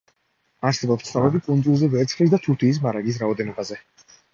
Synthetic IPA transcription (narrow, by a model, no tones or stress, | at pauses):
aɾsɛbɔpst̪sʰnɔvɛbikʼund̪zulˠzɛvɛɾt̪sʰχlisd̪at̪ʰuɾt̪ʰiːs̬maɾaɡis̬ɾaɔd̪ɛnɔbazɛ